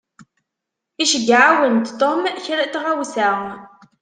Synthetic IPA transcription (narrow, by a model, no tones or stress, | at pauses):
iʃəɡːʕawənt̪t̪omçɾæt̪ʁawsaʁ